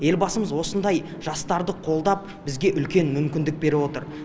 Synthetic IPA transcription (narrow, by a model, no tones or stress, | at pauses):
je̞lbɑsəməzwo̞sənd̪ɑj | ʒ̥ɑst̪ɑɾd̪əqʰo̞lˠd̪ɑp̚bɪzɡʲe̞ʔʏlkʲe̞nmʏmkʲɪnd̪ɪk̚be̞ɾɪwo̞t̪əɾ